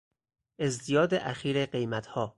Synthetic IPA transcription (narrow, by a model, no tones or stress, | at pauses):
ʔe̞zt̪ijɒːd̪eʔæxiːɾeɢe̞jmæt̪ʰhɒː